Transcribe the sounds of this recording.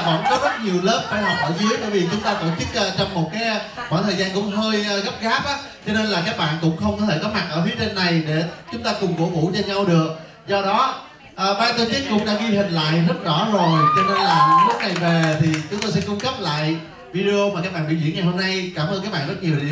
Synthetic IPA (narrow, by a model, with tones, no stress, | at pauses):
və̰˧˥nkɔ˨˦zə˦˥t̚ɲi˨˩əwlə˦˥p̚faː˧jha˨˩k͡p̚ʔəː˧˩zɨ˨˦əjt̪a̰ː˧˩jvi˨˩t͡ɕʊ˨˦ŋ͡mt̪aː˧t̪o˧˩t͡ɕɨ˦˥k̚ʔəː˧t͡ɕɔ˧wŋ͡mmo˨˩t̚kaː˨˦jɓɔ̰˧˩jt̪ʰəː˨˩jzaː˧nkʊ̰˧˥wŋ͡mɦəː˧jʔːɣə˦˥p̚ɣaː˦˥p̚ʔaː˨˦ | t͡ɕɔ˧ne˧nlaː˨˩kaː˦˥k̚ɓa̰ː˧˨nkʊ̰˧˥ŋ͡mxə˧wŋ͡mkɔ˧˦t̪ʰe˧˩kɔ˨˦ma˨˩t̚ʔəː˧˩fi˨˦ət͡ɕe˧nːa˨˩jɗe˧˩t͡ɕʊ˨˦ŋ͡mt̪aː˧kʊ˨˩ŋ͡mko̰˧˩ŋṵ˧˥t͡ɕɔ˧ɲa˧wɗɨ˨˩ək̚ | zɔ˧ɗɔ˨˦ | ʔəː˨˩ɓaː˧t̪o˧t͡ɕi˦˥k̚kʊ̰˧˥ŋ͡mɗa̰ː˧˥ɣi˧hï˨˩ŋ̟la̰ː˧˨jzə˦˥t̚zɔ˧˩zo˨˩jt͡ɕɔ˧ne˧nlaː˨˩lu˦˥ək̚na˨˩jve˨˩t̪ʰi˨˩t͡ɕʊ˨˦ŋ͡mt̪o˧jsɛ̰˧˥kʊ˧ŋ͡mkə˦˥p̚la̰ː˧˨j | vi˧ɗe˧o˧ma˨˩kaː˦˥k̚ɓaː˧˨nɓḭ˧˨zḭ˧˥ənŋa˨˩jho˧mna˧jkaː˧˩mʔə˧kaː˦˥k̚ɓaː˧˨zt̚ɲi˨˩ə˩˨ḭ˧˨